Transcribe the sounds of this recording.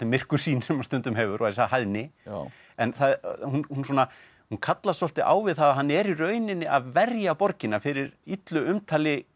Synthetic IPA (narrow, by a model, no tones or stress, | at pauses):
ɪmɪr̥kʏ̥siːnsɛmːaɾ̥st̪ʏnt̪ʏmɦɛːvʏɾʔɔaðɪsaɦajðnɪ | ɛnθaðhunhunsɔna | hunkʰat̪lasɔl̥t̪ɪʔa̰ːwvɪðθaðaɦanːɛɾirœːɥnɪnːɪʔaðvɛrjapɔɾcɪnːafɪɾɪɾit̪lʏʏmt̪ʰaːlɪ